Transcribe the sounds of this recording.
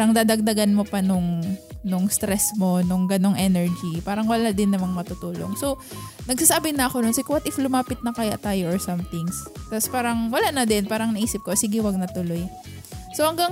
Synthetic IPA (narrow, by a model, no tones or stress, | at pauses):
ɾɐŋd̪aːd̪ɐɡ̚d̪ɐɡanmo̞pɐnʊŋnʊŋst̪ɾɛsmo̞nʊŋɡɐno̞ŋʔɛnɛɹd͡ʒipaːɾɐŋwɐlad̪ɪnːɐmaŋmɐt̪ʊt̪uːlo̞̰ŋso | nɐɡ̚sasaːbɪnɐʔɐkononsɪkʊwɐt̪ʔɪflʊmaːpɪt̪̚nɐkɐja̰ʔt̪aːjoʔoɹsɐmt̪ɪŋst̪aspaːɾɐŋwɐlaʔnɐd̪ɪnpaːɾɐŋnɐʔiːsɪp̚kosiɡɪwɐɡ̚nɐt̪ʊlo̞j | sohɐŋɡaŋ